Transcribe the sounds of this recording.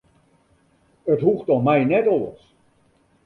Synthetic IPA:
ətɦuxtɔmɛjnɛtɔlə̰s

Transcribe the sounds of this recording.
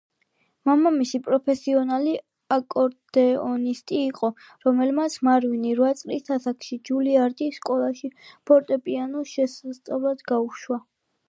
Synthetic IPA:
mamamisipʼɾɔpʰɛsiɔnali | akʼɔɾd̪̥ɛɔnist̪ʼiːqʼɔ | ɾɔmɛlmat̪sʰmaɾwiniɾwat̪sʼlist̪ʰasakʰʃid͡ʒuliaɾt̪ʼisːkʼɔlˠaʃipʰɔɾt̪ʼɛpʼianɔʃɛsast̪sʼavlˠad̪ɡauʃwa

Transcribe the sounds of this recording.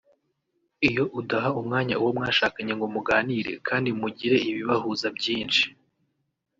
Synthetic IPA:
ijo̞ʔudaɦaumŋaːɲauwo̞mŋaːʃaːkaɲeŋɡomuɡaːniɾe̞̰kʰaːndimuɟiɾe̞iβiβahuzabɟiːnʃi̥

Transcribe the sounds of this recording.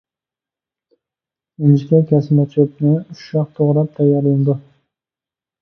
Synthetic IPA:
ʊnd͡ʒɪkʲakʲʰasmat͡ʃʰopnɪʊʃɾɑq̚t̪ʰoʁɾap̚t̪ʰajaɾland̪ɪ

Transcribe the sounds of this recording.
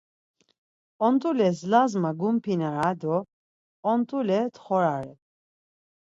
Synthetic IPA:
ɔnt̪ʼulɛslazmaɡumpʰinaɾad̪ɔ | ɔnt̪ʼulɛt̪ʰχɔɾaɾɛ

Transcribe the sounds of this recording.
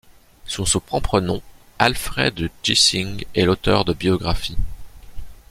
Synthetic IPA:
sysupχɔ̃pχənɔ̃ | alfχɛ̰d̪d͡ʒisiŋɛlot̪œʁd̪əbjɔɡʁafi

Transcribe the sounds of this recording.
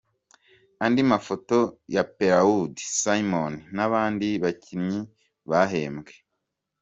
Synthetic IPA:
andimafo̞to̞jape̞ɾaudi̥saimoninaβaːndiβacimɲi | βaɦe̞ːmɡe

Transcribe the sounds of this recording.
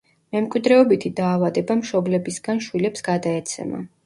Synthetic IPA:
mɛmkʼwid̪ɾɛɔbit̪ʰid̪aːvad̪ɛbamʃɔblɛbisɡ̥anʃwilɛpsɡad̪aɛt̪sʰɛ̰ma̰

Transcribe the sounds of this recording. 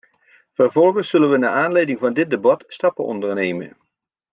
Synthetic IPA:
v̥ərvɔlˠχənsːɵlənʋəna̰ːʔaːnlejdɪŋvɑndɪt̚dəbɑtstɑpənɔ̰ndəɹnejmə̰n

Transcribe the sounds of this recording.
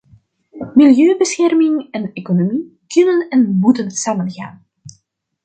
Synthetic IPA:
mɪljøːbəsxɛrmɪŋɛneːkonomi | kɵnənɛnmutənsaːmənɣa̰ːn

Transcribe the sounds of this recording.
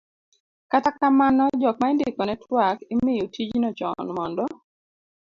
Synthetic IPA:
katakamanɔd͡ʒɔk̚maindɪkɔnɛtwakimɪjutid͡ʒnɔt͡ʃɔ̰nmɔndɔ

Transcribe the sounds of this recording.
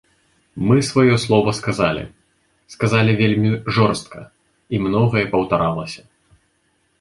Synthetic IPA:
mɨsvajɔslˠɔvɐskazalʲḭ | skazalʲivʲelʲmʲiʐɔrst̪̚kʰɐ̰ | imnɔɣɐjɛpɐwt̪aɾalˠɐsʲɐ

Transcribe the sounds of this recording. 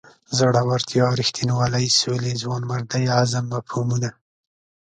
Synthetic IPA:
zaɽawaɾt̪jɑɾixt̪inwalajsolezwɑnmaɾd̪ajazamːapʰomuna

